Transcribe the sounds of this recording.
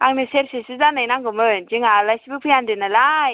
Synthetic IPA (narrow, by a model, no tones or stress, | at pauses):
aŋnɯseɾsesɯzanajnaŋɡɔmɯnd͡ʒiŋalajsbɯk̚pʰiandɯnalaj